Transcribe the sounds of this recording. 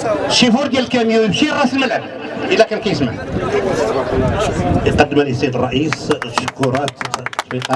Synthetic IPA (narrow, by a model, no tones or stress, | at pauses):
ʃifuɾd̪jælkæmjuəbʃiɣæsəlməlʕəb | ʔəlːækænkæjəsməħ | iqɑd̪ːəmæləsæd̪ərˤːɑʔisʃkuɾˤɑt̪it̪ɑ